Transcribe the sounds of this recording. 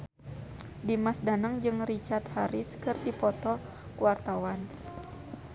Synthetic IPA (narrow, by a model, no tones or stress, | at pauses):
dimasdanəŋd͡ʒɨŋrit͡ʃart̪haɾɪskɨrdipɔt̪ɔ | kuwart̪awan